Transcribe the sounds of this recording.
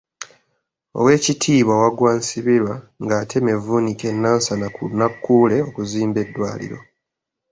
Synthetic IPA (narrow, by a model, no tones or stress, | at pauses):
o̞̰we̞ːcitʰiːβwawaɡwansiβiɾwaŋɡaːtʰe̞me̞vunike̞nːaːnsanakunakːuːle̞o̞kuziːmbe̞dːwaːlḭɾo̞̰